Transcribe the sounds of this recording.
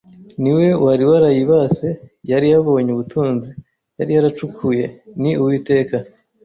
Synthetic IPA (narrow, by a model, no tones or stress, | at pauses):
niwe̞waɾiwaɾajiβase̞jaɾijaβo̞ːɲuβutʰuːnzi | jaɾijaɾat͡ʃukʰuje̞niuwiːte̞ːka